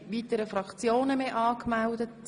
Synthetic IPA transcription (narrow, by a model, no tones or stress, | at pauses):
ʋiːt̪əɾəfɾɑkt͡sjoːnəmeʔɑːkmældət